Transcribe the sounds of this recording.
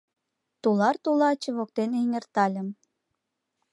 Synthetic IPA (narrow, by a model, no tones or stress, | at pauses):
t̪ulɑrt̪ulɑt͡ɕə̆βok̚t̪eneŋʲert̪ɑlʲəm